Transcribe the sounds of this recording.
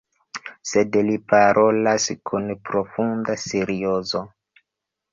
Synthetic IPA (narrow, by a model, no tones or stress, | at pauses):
se̞dlipaɾʔo̞laskʰunpɾo̞fundaseɾiozo̞